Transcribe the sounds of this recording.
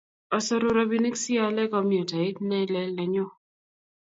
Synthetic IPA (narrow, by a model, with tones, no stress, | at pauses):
ɔ˨sɔ˨ɾʊ˨ɾɔ˨bi˨˦ni˦ksi˦a˦lɛ˦kɔ˦mjɔ˨ta˨i˦t̪nɛ˦lɛ˦lɛ˨ɲɔ˦